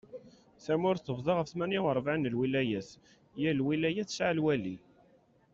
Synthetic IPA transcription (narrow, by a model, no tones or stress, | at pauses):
θæmʊɾθəvðˤɑʁəfθmæniwəɾˤvʕanlwilæjæs | jælwilæjæθsʕəlwæli